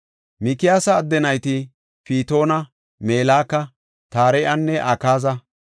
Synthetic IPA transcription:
mɪkɪjaːsɐːd̪ːɛnɐjt̪ɪ | piːt̪o̞ːnɐ | meːlaːkːɐ | t̪aːɾɛjʔɐnːɛʔɐkaːzɐ

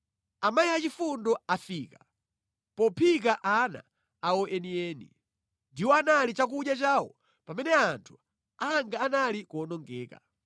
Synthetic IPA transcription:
amajiat͡ʃifundɔafiːka | pɔpʰikaʔana̰ | aɔʔɛniɛːnḭ | ndiwɔanalit͡ʃak̬uɗjat͡ʃaːwɔ | pamɛnɛantʰu̥ | aŋɡaːnalikɔnɔŋɡɛːka̰

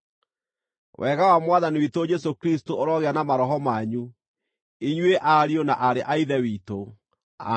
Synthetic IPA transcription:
wʔɛɣawamwaðaniwitod͡ʒɛsokɾistooɾɔɣeanamaɾɔɦɔmaɲu | iɲweʔaɾionaʔaɾeʔaiðɛwiːto | a

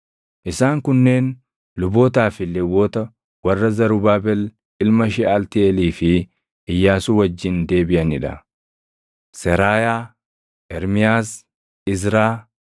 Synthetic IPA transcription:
ʔɪsaːŋkʊnːeːn | lʊboːt̪aːfɪlːɛwoːt̪ɐ | wɐrːɐzɐɾʊbaːbɛl | ɪlmɐʃɛalt̪ɪɛliːfɪ | ɪjːaːsuwɐd͡ʒːɪnd̪e̞ːbɪʔɐnɪᶑɐ | sɛɾaːjaː | ʔɛɾmɪjaːs | ɪzɾaː

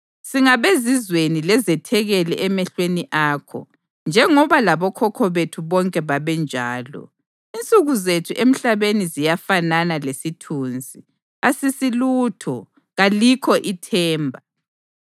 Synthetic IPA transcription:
siŋaβezizwenilɛzɛtʰɛɣɛlɛʔɛmɛɬweniʔaːkʰɔ̰ | nd͡ʒʱɛŋɔβalaβɔkʰɔkʰɔβetʰuβɔŋkʼɛβaβɛnd͡ʒʱaːlɔ̰ | int͡sʼuɣuzetʰuʔem̩ɬaβenizijafananalesitʰuːnd͡zʱi | asisiluːtʰɔ | ɣalikʰɔʔitʰɛːmbʱa

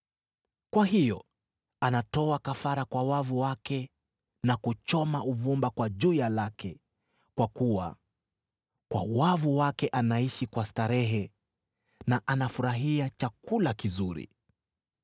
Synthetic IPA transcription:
kwaɦijɔ | anatɔakafaɾakwawavuwakɛ | nakut͡ʃɔmauvumbakwaʄujalakʰɛ | kwakuwa̰ | kwa̰wavuwakɛʔanaiʃikwastaɾɛɦɛ | naʔanafuɾaɦiat͡ʃakulakizuɾḭ

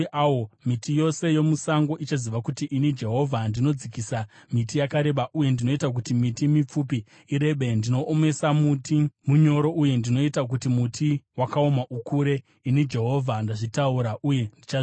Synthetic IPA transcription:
awomitʰijo̞se̞jo̞musaŋɡo̞ʔit͡ʃaziʋakutiʔinid͡ʒe̞ɦo̞vʱandino̞d͡zikisamitijakaɾe̞ɓaʔuje̞ndino̞itak̬utimitimip͡fupiː | ɾe̞ɓe̞ndino̞ʔːme̞samutimuɲo̞ɾo̞ʔuje̞ndino̞itak̬utimutʰiwakao̞maʔukuɾe̞ | inid͡ʒe̞ɦo̞vʱandaʐitauɾaʔuje̞ndit͡ʃa

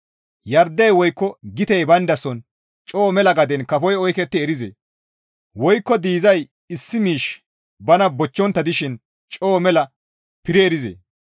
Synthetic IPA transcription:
jɐɾd̪ːɛjwɔjkːɔɡɪt̪ɛjbɐnd̪ɐsɔn | t͡ʃʼoːmɛlɐɡɐd̪ɛnkɐfɔjɔjkɛt̪ːɪːɾɪzḛː | wɔjkːɔd̪iːzɐj | ɪsːɪmiːʃ | bɐnɐbɔt͡ʃːɔnt̪ːɐd̪ɪʃɪn | t͡ʃʼoːmɛlɐ | pɪɾɛːɾɪzḛː

